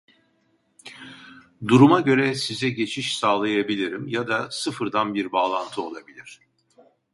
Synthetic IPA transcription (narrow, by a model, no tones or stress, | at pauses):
d̪uɾumaɟø̞ɾɛsizɛɟe̞t͡ʃʰiʃsaːlˠajabilʲiɾimjad̪asɯfɯɾd̪anbiɾbaːlˠant̪ʰɯo̞lˠabilʲiɾ̥